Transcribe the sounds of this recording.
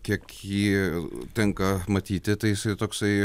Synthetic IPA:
kʲiɛkjiːt̪ʲɛŋkɐmɐt̪ʲiːt̪ʲɪt̪ɐɪjɪsɐɪt̪oːksɐɪ

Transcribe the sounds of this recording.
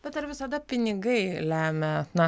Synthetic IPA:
b̥ʲɛt̪ɐɾʋʲɪsɐd̪ɐpʲɪnʲɪɡɐɪlʲæːmʲɛnɐ

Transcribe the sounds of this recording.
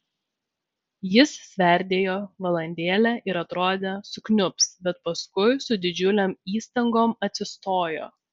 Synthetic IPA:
jɪssʲʋʲɛˑɾʲd̪ʲeːjoːʋɐlˠɐnʲd̪ʲeːlʲɛʔɪɾɐt̪ɾoːd̪ʲesʊknʲʊpsbʲɛt̪pɐskʊɪsʊd̪ʲɪd͡ʒʲʊlʲoːmiːst̪ɐŋɡoːmɐt̪ʲsʲɪst̪oːjo̰ː

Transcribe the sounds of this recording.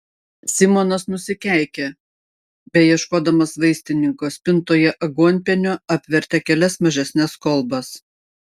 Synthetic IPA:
sʲɪmonɐsnʊsʲɪkʲæˑɪkʲɛ | bʲɛjiɛʃkoːd̪ɐmɐsʋɐɪsʲt̪ʲɪnʲɪŋkoːspʲɪnt̪oːjɛʔɐɡuɔnʲpʲɛnʲoɐpʲʋʲɛɾʲt̪ʲɛkʲɛlʲɛsmɐʒʲɛsʲnʲɛskɔlˠbɐs

